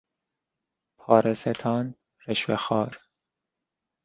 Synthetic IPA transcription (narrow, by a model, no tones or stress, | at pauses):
pʰɒːɾeset̪ʰɒːn | ɾeʃvexɒːɾ